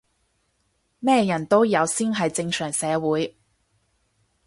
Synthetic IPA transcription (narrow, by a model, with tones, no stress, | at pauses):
mɛː˥jɐ˨˩nt̪o˥wjɐ˨˧wsiː˥nɦɐ˨jt͡sɪ˧ŋsœː˨˩ŋsɛː˨˧wuː˨˧j